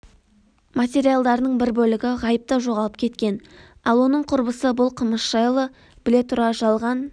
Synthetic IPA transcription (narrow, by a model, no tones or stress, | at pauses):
mat̪ʲe̞ɾijalˠd̪ɑɾənəɴbɪɾbɵlɪɡʲɪʁɑjəp̚t̪əʒo̞ʁɑlˠəp̚kʲʰe̞t̪kʲe̞n | ɑlˠwo̞nəɴqʰʊɾbəsəbʊlˠqʰəməsʒ̥ɑjlˠə | b̥ɪle̞t̪ʰʊɾɑʒɑlˠʁɑn